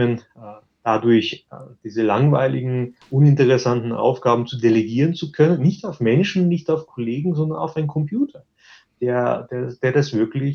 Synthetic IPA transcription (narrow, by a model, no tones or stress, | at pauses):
ən | d̥adʊɐçd̥iːzəlaŋva̰ɪlɪ̰ɡŋ̩ʔʊnɪntəʁɛsantn̩ʔa̰ʊfɡ̥aːbm̩t͡sudeleɡiːʁənt͡sukʰœnənːɪçtaʊfmɛnʃn̩nːɪçtaʊfkʰoleːɡŋ̩zɔndɐna̰ʊfaɪnkʰɔmpjuːtʰɐ | d̥eːɐd̥eːɐd̥eːɐdasv̥ɪɐklɪç